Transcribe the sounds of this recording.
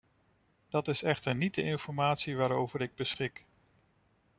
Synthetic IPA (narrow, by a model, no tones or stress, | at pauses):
d̥ɑtɪsɛχtəɹnit̚dəʔɪnfɔɹmaːtsiʋaːɾowvəɾɪɡ̚bəsχɪk